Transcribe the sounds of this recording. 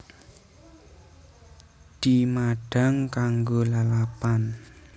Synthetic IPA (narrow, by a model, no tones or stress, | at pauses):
d̪̥imaɖ̥a̤ŋkaŋɡolalapan